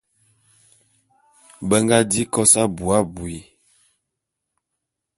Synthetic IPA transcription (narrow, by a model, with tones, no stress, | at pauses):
bə˦ŋɡa˦di˦kɔ˦sa˦bu˨a˦bu˨i˨